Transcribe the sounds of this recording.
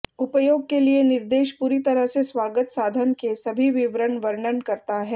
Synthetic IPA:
ʊpəjoːɡ̚kelienɪɾd̪eːʃpuːɾit̪ɐɾəɦsesʋaːɡət̪saːd̪ʱənkesɐbʱiʋɪʋɾəɳʋəɾɳənkɐɾt̪aɦɛː

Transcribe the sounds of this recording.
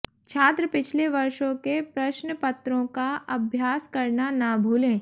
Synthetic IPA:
t͡ʃʰaːt̪ɾəpɪt͡ʃʰleʋɐɾʃõkepɾɐʃnəpɐt̪ɾõkaɐbʱjaːskɐɾnanaːbʱuːlẽː

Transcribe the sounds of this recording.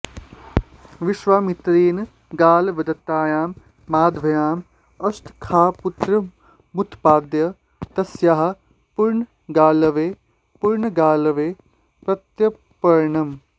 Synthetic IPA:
ʋiʃʋaːmit̪ɾiːn | ɡaːlʋɐd̪ɐt̪aːjaːmː | aːd̪ʋɐjaːm | ɐst̪ʰkʰaːput̪ɾɐ | mut̪ʰpaːd̪jɐ | t̪ɐsjaɦɐ̆ | puɾɳ | ɡaːlɐʋeː | puɾɳɐɡaːlɐʋeː | pɾɐt̪jɐ | pɐɾɳɐm

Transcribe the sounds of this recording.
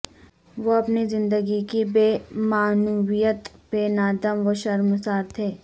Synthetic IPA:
ʋoɐpnizɪ̃nd̪əɡikibeːmaːnuwijət̪beːnaːd̪əmʋoʃɐɾmʊsaːɾt̪ʰeː

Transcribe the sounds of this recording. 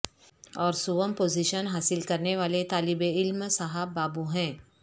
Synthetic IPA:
ɔːɾsʊʋəmpoːziʃənɦaːsɪlkɐɾneʋaːlet̪aːlɪbeɪlmsaɦəbːaːbuɦɛ̃ː

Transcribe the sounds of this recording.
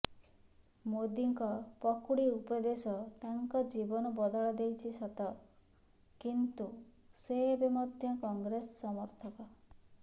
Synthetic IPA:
mod̪iŋkɔpɔkuɽiupɔd̪esɔt̪aŋkɔd͡ʒibɔnɔbɔd̪ɔɭɔd̪ejt͡ʃʰisɔt̪ɔ | kint̪u | seebemɔd̪ʱjɔkɔŋɡɾesɔsɔmɔɾt̪ʰɔkɔ

